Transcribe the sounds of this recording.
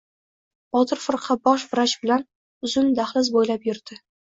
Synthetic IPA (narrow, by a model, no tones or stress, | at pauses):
ɒt̪ʰɨɾfʊɾqʰɑbɒʃbɪɾat͡ʃbɪlan | ʊzʊnd̪aχlɪzbojlapjɪɾd̪ɪ